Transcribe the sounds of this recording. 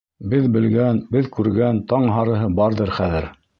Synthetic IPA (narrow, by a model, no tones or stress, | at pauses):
bɘðbɘ̆lɡænbɘðkʉɾɡænt̪ɑɴɦɑɾɤ̆ɦɤbɑɾðɤɾχæðɘɾ